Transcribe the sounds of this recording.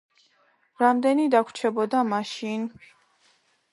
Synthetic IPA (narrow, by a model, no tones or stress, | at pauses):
ɾamd̪ɛnid̪akʰt͡ʃʰɛbɔd̪amaʃin